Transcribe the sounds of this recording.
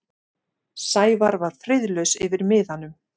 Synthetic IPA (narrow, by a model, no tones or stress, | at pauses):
saːjvaɾvaɾ̥fɾɪðlœɥsɪvɪɾmɪːðhanːʏm